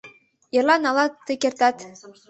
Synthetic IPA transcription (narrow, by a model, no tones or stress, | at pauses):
jɤrlˠɑnɑlˠɑt̪ːɘkert̪ɑt̪